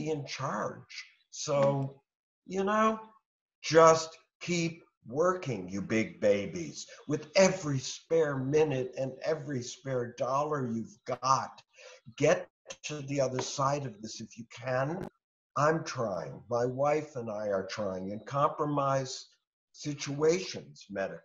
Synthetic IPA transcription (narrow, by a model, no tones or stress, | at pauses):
iɨ̃nt͡ʃʰɑɹd̥ʒ̥ | soʊ | jɨnoʊ | d̥ʒ̥ʌst | kʰip̚ | wɜ˞kɪ̃ŋjə˞bɪɡ̚beɪbḭz̥wɨðɛvɹispɛɹmɪ̃nɨɾɨ̃nɛvɹispɛɹdɔlˠə˞jʉvɡɑt̚ɡ̥ɛtʰ | ɨðiʌðə˞saɪɾʌvðɪsɨfjɨkʰɨ̃n | ʔãɪ̃mtʰɹ̥aɪɪ̰̃ŋmaɪwaɪfə̃naɪə˞tʰɹ̥aɪɪ̃ŋɨ̃nkʰɑ̃mpɹəmaɪz̥ | sɪt͡ʃueɪʃɨ̃nz̥mɛɾə˞